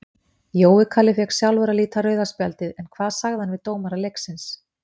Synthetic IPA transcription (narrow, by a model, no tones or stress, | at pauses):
joːwɪkʰaːlɪfɛksjawlvɛɾaliːt̪aɾœːɥðaspjalt̪ɪðɛnkʰvaːðsaɣðanvɪðt̪oːwmaɾalejksɪns